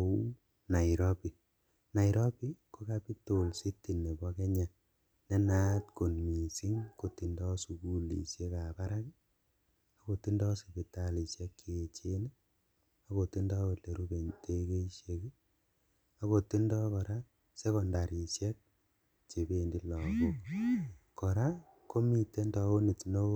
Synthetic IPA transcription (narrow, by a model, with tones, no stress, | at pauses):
u˦ | na˨iɾɔ˦pi˨ | na˨i˨ɾɔ˦pi˦ko˦ka˦pi˦tolsi˦ti˨nːe˨bɔ˦ke˦ɲa˨ | ne˦na˦tko˨nmi˨si˦ŋko˨ti˨ndɔ˦su˨ku˦lḭ˨ʃe˦ka˨pa˦ɾa˦ki | a˨ko˨ti˦ndɔ˦si˨pi˨ta˨li˨ʃjɛ˦kːi˨e˨t͡ʃe˦ni˦ | a˨ko˨ti˦ndɔ˦o˨tle˨ɾu˦be˨ɲte˦ke˦ʃe˨ki˦ | a˦ko˨ti˦ndɔ˦kɔ˨ɾa˦ | se˦kɔ˨nda˨ɾi˨ʃjɛ˦k̚ | t͡ʃe˨be˦˨ndi˦lɔ˨ku˦k | kɔ˨ɾa˦ | ko˦mi˦te˦ndɔ˦o˦ni˨tno˦